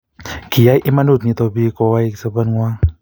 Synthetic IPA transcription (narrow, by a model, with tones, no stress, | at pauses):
kʰi˨a˧˦jʔe˧˦ma˧nu˧˩t̪̚ɲi˧t̪o˧biː˧˦kɔ˧wa˧˨˧sa˧bɯ˧˨nŋu˧a˧ŋ